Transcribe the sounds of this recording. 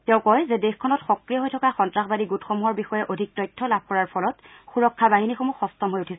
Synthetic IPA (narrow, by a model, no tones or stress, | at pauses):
tɛʊ̃kɔjzɛdexkʰːɔnɔtxɔkɹijɔɦojtʰɔkaxɔntɹaxbadiɡutxomuɦɔɹbixɔjɛʔodʱik̚tɔjtʰːɔlab̚ʱkɔɹaɹpʰɔlɔtxuɹɔkʰːabaɦinixomuxɔstɔmɦojutʰisɛ